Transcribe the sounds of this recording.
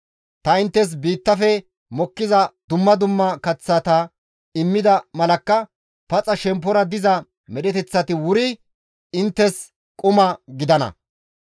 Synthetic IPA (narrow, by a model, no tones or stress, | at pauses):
t̪ɐɪnt̪ːɛs̬biːt̪ːɐfɛ | mɔkːɪzɐd̪ʊmːɐd̪ʊmːɐkɐt͡sːɐt̪ɐ | ɪmːɪd̪ɐmɐlɐkːɐ | pɐt͡sʼɐʃɛmp̬ːɔɾɐd̪ɪzɐ | mɛɗɛt̪ɛt͡sːɐt̪ɪwʊɾɪ | ɪnt̪ːɛs | kʼʊmɐɡɪd̪ɐnɐ̰